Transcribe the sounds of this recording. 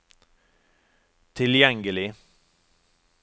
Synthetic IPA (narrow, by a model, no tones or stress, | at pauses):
t̪ʰɪljɛŋɡəlɪ